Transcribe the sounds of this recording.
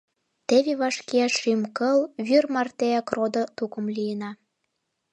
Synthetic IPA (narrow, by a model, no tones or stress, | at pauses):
t̪eβeβɑʃkeæʃimkəlβyrmɑrt̪eækrod̪ŏt̪ukə̆mlʲijənɑ